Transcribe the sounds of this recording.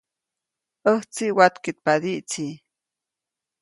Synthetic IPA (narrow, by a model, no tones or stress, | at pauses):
ʔəht͡siʔwat̪kit̪̚pad̪iʔt͡si